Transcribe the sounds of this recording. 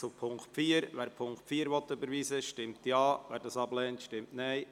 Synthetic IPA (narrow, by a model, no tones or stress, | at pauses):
t͡sʊpʰʊŋktfiːəɾʋɛːɾpʰʊŋktfiːəɾʋɔtːøbəɾʋiːsəʃtɪmtjɑːvʋɛːɾdɑːsɑblɛːntʃtɪmtnaɪ